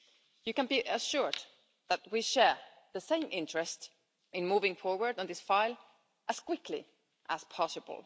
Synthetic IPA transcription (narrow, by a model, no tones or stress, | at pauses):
jɨkə̃nbiʔəʃʊɹd̪ | ðət̚wiʃɛɹ | ðɨsẽɪ̃mʔɪ̃nt͡ʃɹ̥ɨst | ɨ̃nmuvɪ̃ŋfɔɹwə˞dn̩ðɪsfaɪlˠ | ʔəz̥kʰw̥ɪkʰlḭ | ʔəz̥pʰɑsəbə̰l̩ˠ